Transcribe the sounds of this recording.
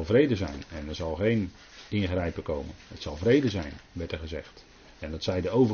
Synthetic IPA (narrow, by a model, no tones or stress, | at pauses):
lˠvrejdəzɛ̰jnɛnɛɹzɑlˠχejn | ɪnχrɛjpəkowmənhətsɑlˠvrejdəzɛjnʋɛɹtɛχəzɛχt | ɛndɑtsɛjdəowv